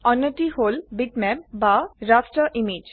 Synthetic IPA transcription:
ɔnːoʈiholbiʈmɛp̚baɾasʈɾəʔimid͡ʒ

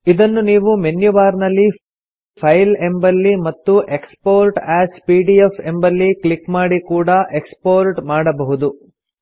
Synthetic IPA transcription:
id̪ɐnːuniːʋumenjuʋaːɾnɐlːi | pʰɐjlembɐlːimɐt̪ːuʔe̞kspoːɾʈaːspiːɖiefembɐlːiklikmaːɽikuːɽɐʔekspoːɾʈmaːɽɐbɐɦud̪u

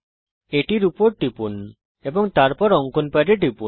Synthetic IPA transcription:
eʈiɾupɔɾʈipun | ebɔŋt̪aɾpɔɾɔŋkunpaɾeʈipun

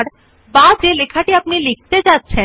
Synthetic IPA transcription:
ɽ | bad͡ʑelekʰaʈiapɳilik̚ʰt̪ed͡ʑatːt͡ɕʰe

